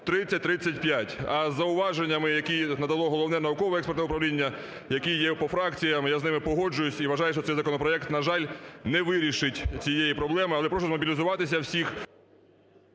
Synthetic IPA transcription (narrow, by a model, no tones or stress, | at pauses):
t̪ɾɪt͡sʲːɐt̚ʲt̪ɾɪt͡sʲːɐtʲpʲjatʲɐzːɐʊʋɑʒenʲːɐmɪjɐkinɐd̪ɐlˠɔɦɔlˠɔwnɛnɐʊkɔʋɔɛkspɛrt̪ɛʊpɾɐʋlʲinʲːɐ | jɐkijɛpɔfɾɑkt͡sʲijɐmjaznɪmɪpɔɦɔd͡ʒʊjʊsʲiʋɐʒɑjʊʃt͡ʃɔt̪ɛjzɐkɔnɔpɾɔɛkt̪nɐʒɑlʲnɛʋɪɾʲiʃɪtʲt͡sʲijejipɾɔblˠɛmɪɐlˠɛpɾɔʃ̬ʊzmɔbʲilʲizʊʋɑt̪ɪs̬ʲɐwsʲix